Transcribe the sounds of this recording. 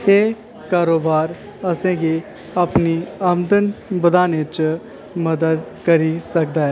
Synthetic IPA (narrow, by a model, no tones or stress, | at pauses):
eː | kaːɾoːbaːɾ | əsẽːɡiː | əpniəmd̪ənbəd̪aːnet͡ʃ | məd̪əd̪ | kəɾiːsək̚d̪aːɦɛː